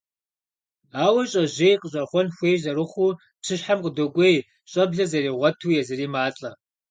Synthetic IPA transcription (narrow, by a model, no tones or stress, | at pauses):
aːwɐɕʼɐʑeːjqəɕʼɐχʷɔnxʷeːjzɐɾɨχʷuː | psʰɨɕħamqʼədokʷʼej | ɕʼɐbɮɐzɐriːʁʷɔtʰuːjɛzɐriːmaːɬʼɐ